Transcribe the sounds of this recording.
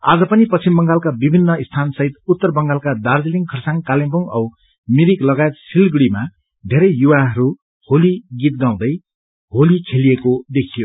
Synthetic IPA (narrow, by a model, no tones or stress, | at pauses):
a̰d͡zʌpʌnipʌt͡sʰimbʌŋɡalkabibʱinːʌist̪ʰansʌɦit̪ut̪ːʌrbʌŋɡalkad̪ard͡ziliŋkʰʌrsaŋkalempuŋʌw | miɾiklʌɡaet̪silɡɽima | d̪ʱeɾʌjjuwaɦʌɾu | holiɡit̪̚ɡaw̃d̪ʌj | ɦolikʰeliekod̪ekʰijo